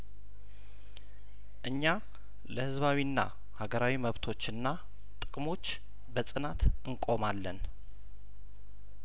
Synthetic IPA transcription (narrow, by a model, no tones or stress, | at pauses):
ʔɨɲːa | ləhɨzβawinːa̰ | haɡəɾawiməβt̪ʰo̞t͡ʃːɨnːa | t̪ʼɨkʼmo̞t͡ʃː | bəsʼɨnat̪ɨŋkʼo̞malːən